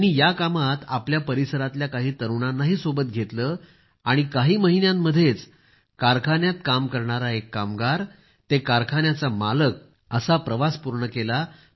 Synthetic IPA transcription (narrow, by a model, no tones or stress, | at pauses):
ñijakamat̪apljapəɾisəɾat̪ljakaɦiːt̪əɾʋɳanːaɦiːsobət̪̚ɡʱet̪ləː | aɽ̃ikaɦiːməɦinjamːəd̪ʱːjet͡s | kaɾkʰanjat̪kamkəɾɳaɾaekːamɡaɾ | t̪ekaɾkʰanjat͡samalək̚ | əsapɾəʋaspuɾɳəkela